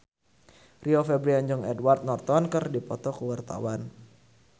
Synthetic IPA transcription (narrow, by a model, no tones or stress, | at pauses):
riɔfɛbɾiaɲd͡ʒɔŋɛdwart̪̚nɔrt̪ɔnkɨrdipɔt̪ɔkəwart̪a̰wan